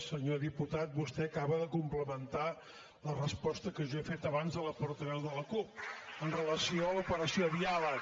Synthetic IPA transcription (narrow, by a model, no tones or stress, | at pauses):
səɲoðiput̪at̪̚bust̪ɛəkaβəðəkumpləmənt̪a | lərəspɔst̪əkəʒɔefet̪əβanzðələpɔɾt̪əβɛwðələkup̚ənrələsioəlupəɾəsioβialə